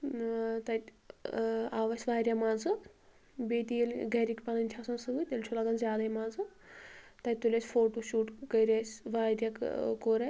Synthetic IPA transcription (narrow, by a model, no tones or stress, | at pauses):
t̪ɐt̪ʲ | aːʋɐsʲʋaːɾjamãːnzɨ | beːt̪ijelɡɐɾikʲpɐnɐnʲt͡ʃʲʰaːsɐnsɨʋut̪elʲt͡ʃʰulaːɡɐnzʲjaːd̪ɐimãːnzɨ | t̪ɐt̪ulʲɐsʲfoːʈuːʃuːʈkɐjɾʲasʲʋaːɾʲjɐkkoːɾɐ